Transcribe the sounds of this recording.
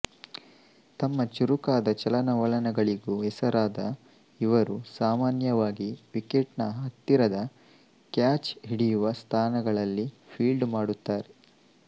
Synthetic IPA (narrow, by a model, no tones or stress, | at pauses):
t̪ɐmːɐt͡ʃuɾukaːd̪ɐt͡ʃɐlɐnɐʋɐɭɐnɐɡɐɭiɡuɦɛsɐɾaːd̪ɐ | iʋɐɾusaːmaːnjɐʋaːɡiʋikeʈnɐɦɐt̪ːiɾɐd̪ɐ | kjaːt͡ʃɦiɽijuʋɐst̪ʰaːnɐɡɐɭɐlːi | pʰiːlɖmaːɽut̪ːaːɾe